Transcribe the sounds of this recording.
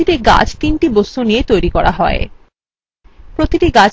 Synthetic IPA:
iʈiɡa̰t͡ɕʰt̪inʈibost̪uniet̪ojɾikɔɾa̰ɦɔḛ | pɾot̪iʈiɡat͡ɕ

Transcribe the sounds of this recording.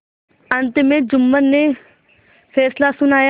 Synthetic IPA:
ənt̪ɪmẽd͡ʒʊmːənːe | fʰɛːslasʊnaːj

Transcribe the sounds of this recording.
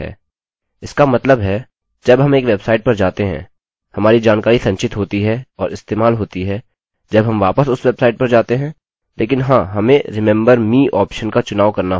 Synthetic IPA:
ɛ̰ː | ɪskamɐt̪ləbɦɛ | d͡ʒɐbɦɐmeːkʋeːbsaːɪʈ̚pɐɾd͡ʒaːt̪eɦɛ̰̃ | hɐmaːɾid͡ʒaːnkaːɾisɐ̃ɲt͡ʃɪt̪ɦoːt̪iɦɛɔːɾɪst̪eːmaːlɦoːt̪iɦɛː | d͡ʒɐbɦɐ̃mʋaːpəsʊsʋeːbsaːɪʈ̚pɐɾd͡ʒaːt̪eɦɛ̃ | leːkɪnɦãːɦɐmẽɾɪmɛ̃mbəɾmiːʔɔːpʃənkat͡ʃʊnaːʋkɐɾna

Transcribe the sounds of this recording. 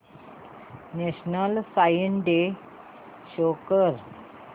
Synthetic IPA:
neɕnəlsajənɖe | ɕokəɾ

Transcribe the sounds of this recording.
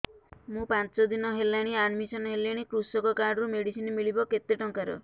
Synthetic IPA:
mũpant͡ʃɔd̪inɔɦelaɽ̃ianmisɔnɔɦelaɽ̃ikɾusɔkɔkaɖɔɾumeɽisinmiɭibɔket̪eʈɔŋkaɾɔ̰

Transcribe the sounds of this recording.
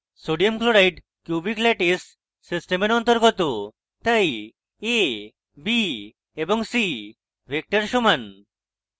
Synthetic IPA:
soɖiomkloɾajɖ | kjubiklɛʈisː | isʈemeɾɔnt̪ɔɾɡɔt̪o | t̪aj | e | bi | ebɔŋsi | bʱek̚ʈaɾʃoman

